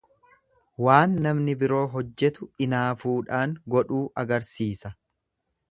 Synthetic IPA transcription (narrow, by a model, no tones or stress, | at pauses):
waːnːɐmnɪbɪɾo̞ːɦɔd͡ʒːɛt̪ʊɪnaːfuːᶑaːŋɡɔᶑuːʔɐɡɐɾsiːsɐ